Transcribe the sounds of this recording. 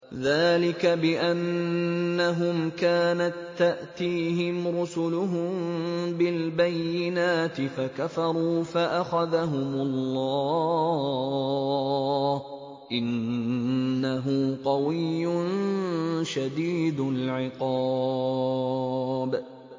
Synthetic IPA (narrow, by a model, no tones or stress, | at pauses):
ðaːlɪkabɪʔanː | aɦʊmkaːnat̪ːaʔt̪iːɦɪmɾʊsʊlʊɦʊmbɪlbajːɪnaːt̪ɪfakafɑɾˤuːfaʔaxaðaɦʊmʊlːɑɑː | ʔɪnː | aɦʊqɑwɪjːʊn | ʃad̪iːd̪ʊlʕɪqɑː | b